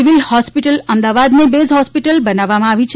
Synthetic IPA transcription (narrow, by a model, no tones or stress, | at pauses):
iʋilhɔspiʈələmd̪aʋad̪nebezɦɔspiʈəlbənaʋːamãaʋit͡ʃʰ